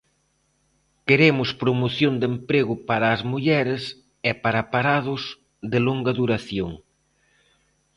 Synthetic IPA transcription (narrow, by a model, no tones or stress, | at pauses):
keɾemʊspɾomoθjond̪empɾeɣʊpaɾɐːzmuʎɛɾɪs | ɛpaɾɐpaɾaðʊz | ðɪloŋɡɐðuɾaθjoŋ